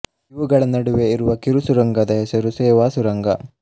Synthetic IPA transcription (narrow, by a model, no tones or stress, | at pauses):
iʋuɡɐɭɐnɐɽuʋeiɾuʋɐkiɾusuɾɐŋɡɐd̪ɐɦɛsɐɾuseːʋaːsuɾɐŋɡɐ̰